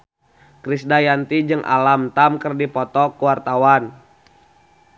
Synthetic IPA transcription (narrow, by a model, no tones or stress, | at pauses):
kɾisdajant̪id͡ʒɨŋʔa̰lamt̪amkərdipɔt̪ɔkuwart̪awan